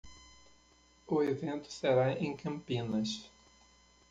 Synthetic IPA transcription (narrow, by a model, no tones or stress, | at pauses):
ʊevẽnt̪ʊ̥seɾaẽj̃kɐ̃mpĩnɐʃ